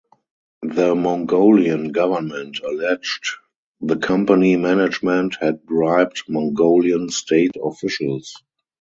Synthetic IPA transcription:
ðəmɔ̃ŋɡoʊliə̃nɡavə˞mɛ̃ntʰəlɛd͡ʒt | ðəkʰãmpanimænɪd͡ʒmɛ̃nthɛd̚bɹaɪp̚tmɔ̃ŋɡoʊliə̃nstʰeɪtʰɔfɪʃəls

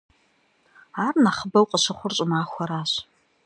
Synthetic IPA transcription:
aːrnaχəbɐwqʼəɕɐχʷʊrɕʼɪmaːxʷɔɾaːɕ

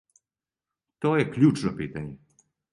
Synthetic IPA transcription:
t̪ɔjɛklʲut͡ʂnɔpɨt̪aɲ

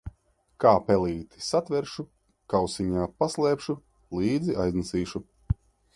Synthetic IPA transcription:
kaːpɛlˠiːt̪i̥sat̪vʲɛɾʃu | kawsiɲaːpaslˠɛːpʃu | lˠiːd̪ziajznasiːʃu

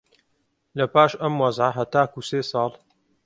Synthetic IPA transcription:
lɐpaːʃʔɐmwɐzʕaɦɐt̪aːkuseːsˤɑːl

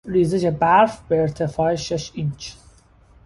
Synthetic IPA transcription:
ɾiːzed͡ʒebæɾfbeeɾt̪ʰefɒːeʃeʃint͡ʃʰ

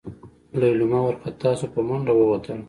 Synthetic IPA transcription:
lalumawaɾkat̪ɑsopəmaɳɖawəwat̪əl

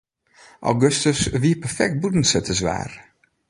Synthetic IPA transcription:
ʔa̰wɡøstəsʋiəpərfɛk̚t̚budn̩sətʰəsʋa̰ːr

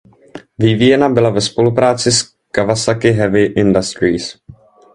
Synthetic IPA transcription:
vɪvijɛnabɪlavɛspo̞lupɾaːt͡sɪs | kavasakɪɦɛvɪʔɪndast̪ɾiːs

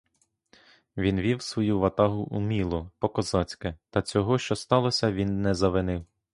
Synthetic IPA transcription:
ʋʲinʋʲiwsʋɔjuʋɐt̪ɑɦʊʔumʲilˠɔpɔkɔzɑt͡sʲkɪt̪ɐt͡sʲɔɦɔʃt͡ʃɔst̪ɑlˠɔsʲɐʋʲinːɛzɐʋɪnɪw

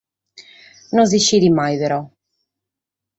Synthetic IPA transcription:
nonziʃiðimːajpɛɾɔ

